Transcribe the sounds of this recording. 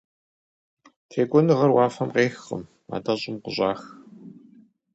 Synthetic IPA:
tʰeːkʷʼɔnɨʁɐrwɑːfɐmqeːxə̰m | a̰ːdɐɕʼɪmqʊʑʼaːx

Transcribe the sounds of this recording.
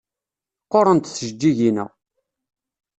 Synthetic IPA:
qːoɾˤənt̪θəʒd͡ʒːiʝinə̰

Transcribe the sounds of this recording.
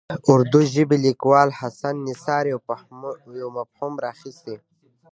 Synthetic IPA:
ʊɾd̪uʒibilikwɑːlhasanːisaːɾj | jowmaphumɾaːxist̪i

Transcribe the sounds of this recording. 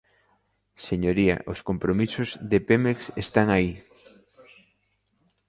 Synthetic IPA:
seɲoɾia̰ʔoskompɾomisozðepemeksest̪aŋai

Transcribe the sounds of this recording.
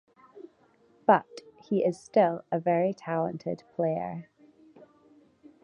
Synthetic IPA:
b̥ʌʔhiʔɪz̥stɪlˠəvɛɹitʰalˠə̰̃ntʰɪ̰dpʰl̥eɪə̰˞

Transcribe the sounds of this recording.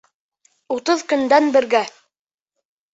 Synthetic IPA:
ut̪ɤðkɵ̆nd̪ænbɘ̆ɾɡæ

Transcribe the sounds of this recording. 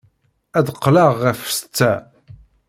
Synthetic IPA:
æðqːləʁːæfə̥st͡sːæ

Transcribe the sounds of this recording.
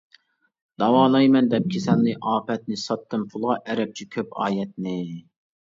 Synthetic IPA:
d̪̥ɑwɑːnˠɑjmɛnd̪ɛp̚kʲʰesɛnlɨʔɑːpɛt̪̚nɪsɑt̪ːɨmpʰulˠʁɑʔɛɾɛp̚t͡ʃʰɛkʲʰøpɑ̰ːjɛt̪̚nɪ

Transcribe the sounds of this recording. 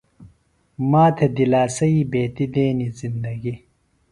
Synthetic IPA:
maːt̪ʰed̪ilaːsɐibeːt̪id̪eːnizind̪ɐɡi

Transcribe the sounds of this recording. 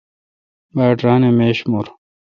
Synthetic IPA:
baːʈɾaːnemeːɕmoɾ

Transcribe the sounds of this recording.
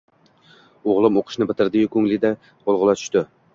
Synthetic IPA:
oʁlˠɨmoqʰʊ̥ʃnɪbɪt̪ʰɪɾd̪ɪkʲʰʊŋlɪd̪ɛ | qolˠʁʊlˠɑt̪ʰy̥ʃt̪ɪ

